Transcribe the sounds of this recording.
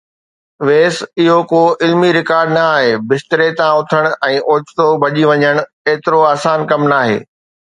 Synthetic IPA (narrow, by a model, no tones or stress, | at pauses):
ʋeːsɪɦokoːʔɪlmiɾɪkaːɾɖnaːɦeːbɪst̪əɾet̪ãʊt̪ʰəɽ̃ɛ̃ːʔoːt͡ɕt̪obʱɐʄiʋɐɲəɽ̃ | eːt̪ɪɾoaːsaːnkɐmnaːɦḛː